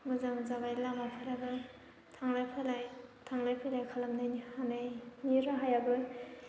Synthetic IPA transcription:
muzamzabajlamapʰaɾabɯ | tʰaŋlajpʰalajtʰaŋlajpʰajlajkʰalamnajnihanajniɾaɦajabɯ

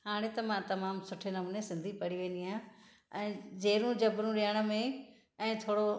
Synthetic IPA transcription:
haːɽ̃et̪ɐmãt̪ɐmaːmsʊʈʰenɐmnesɪ̃nd̪ʱipɐɽiʋẽːnd̪iɦãː | ɛ̃ːd͡ʑeːɾũd͡ʑɐbɾũɾɪjəɽ̃ə̆mẽ | ɛ̃ːt̪ʰoːɽo

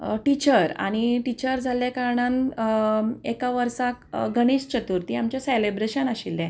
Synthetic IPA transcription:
ʈit͡ɕəɾa̰ɽ̃iʈit͡ɕəɾd͡zʱaljakaɾɳãn | ekaʋəɾsakɡəɽ̃iɕt͡ɕət̪uɾt̪iamt͡ɕaselebɾeɕənaɕilːɛ̃

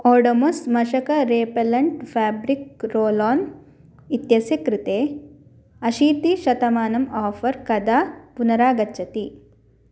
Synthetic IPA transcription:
ɔːɖomosmɐʃɐkɐɾeːpɐlɐɳʈfʰaːbɾik̚ɾoːlaːn | it̪jɐsjɐkɾit̪eː | ɐʃiːt̪iʃɐt̪ɐmaːnɐmaːfʰɐɾkɐd̪apunɐɾaːɡɐt͡ʃːɐt̪i

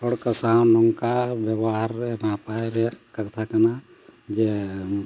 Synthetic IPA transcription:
ɔɽkəsawnɔŋkabjabɔɦaɾɛnapajɾɛkaɾt̪ʰakana | d͡ʒɛ

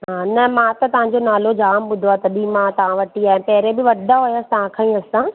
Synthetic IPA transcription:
ɦɦaːnɐmãt̪ɐt̪ɐʋ̤ãɲd͡ʑonaːlod͡ʑaːmɓʊd̪ʱoat̪ɐbimãt̪ɐʋ̤ãʋɐʈiaːɦẽpɐɦɪɾebɪʋɐɗaɦojaːst̪ɐʋ̤ãkʰãːĩɐsã

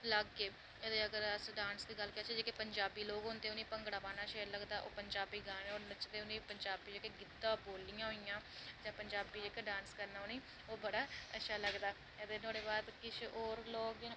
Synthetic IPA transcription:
ləɡːeː | əd̪eːəɡəɾəsɖãːnsd̪iːɡəlkɪaːt͡ʃʰed͡ʒeːkepəɲd͡ʒaːbiːloːɡɦʊnd̪eːʊnĩːpəŋɡɽaːbaːnaːʃeːɾləɡd̪aːʔo̰ːpəɲd͡ʒaːbiːɡãːneoːnət͡ʃd̪eːʊnĩːpəɲd͡ʒaːbiːd͡ʒeːkeɡɪd̪ãːboːlːijãːɦoːijãːd͡ʒãːpəɲd͡ʒaːbiːd͡ʒeːkeɖãːnskəɾnaːɦoːniː | oːbəɽaːəʃʰaːləɡd̪aː | əd̪eːnoːɽeːbaːd̪kɪt͡ʃoːɾloːkd͡ʒɪn

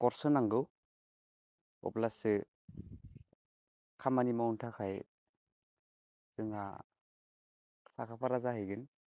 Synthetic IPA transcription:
kɔɾsɯnaŋɡɯw | ɔ̰plasɯ | kʰamanimawuntʰakʰaj | tɯŋa̰ | sakʰapʰaɾazahɯjɡɯn

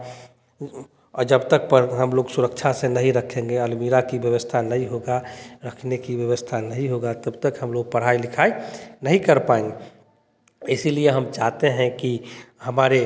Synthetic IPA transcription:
d͡ʒəbt̪ək̚pəɾɦəmloːɡsʊɾəkt͡ʃʰasenɐɦĩɾəkʰẽːŋɡeəlmiɾakibjəʋəst̪ʰanɐɦĩɦoɡaɾəkʰnekiʋjəʋəst̪ʰanəɦĩɦoɡat̪əbt̪əkɦəmloːɡ̚pəɽ̤aːilɪkʰaːenɐɦĩkəɾpaẽŋɡe | ɪsilieɦəmt͡ʃaɦt̪eɦɛ̃kihəmaːɾe

